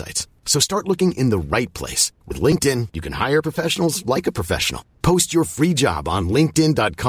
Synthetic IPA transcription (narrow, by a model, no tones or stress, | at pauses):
a̰ɪts | soʊstɑɹtˡlʊkɪ̃ŋʔɪ̃nðəɹaɪt̚pʰl̥ḛɪswɨ̰ðlɪ̃ŋk̚tɪ̃njɨkʰɨ̃nha̰ɪə˞pʰɹ̥əfɛʃən̩l̩ˠzlaɪkəpʰɹ̥əfɛ̰ʃən̩l̩ˠpʰoʊst͡ʃə˞fɹid͡ʒɑ̰b̃n̩lɪ̃ŋk̚tɪ̃ndɑt̚kʰɑ